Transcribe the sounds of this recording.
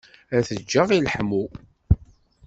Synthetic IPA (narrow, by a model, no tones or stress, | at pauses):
æθəd͡ʒːəʁilħmu